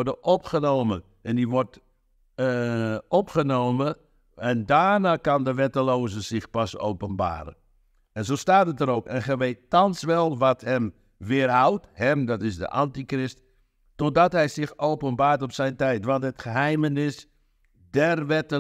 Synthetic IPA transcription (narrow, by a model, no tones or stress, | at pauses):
dəʔɔpχənoːmə | ʔɛndiʋɔrt | ɔpχənoːmə | ɛndaːnaːkɑndəʋɛtəloːzəzɪxpaso̰wpənba̰ːɾə̰ | ɛnzoːstaːtətəɾoːkɛnxɛʋeːttɑnsʋɛlˠʋɔthɛm | ʋɪərɦawthɛmdɔtɪsdə̰ʔantikrɪst | tɔt̚dɔtɦɛjsɪxowpənbaːrtɔpsɛjntɛjtʋɑntɦətxəɦɛjmənɪs | dɛrʋɛtə